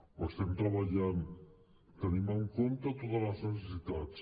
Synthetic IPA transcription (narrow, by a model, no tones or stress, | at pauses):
bost̪emt̪ɾaβaʎam | t̪ənimaŋkont̪at̪ot̪ələznəs̬esit̪at͡s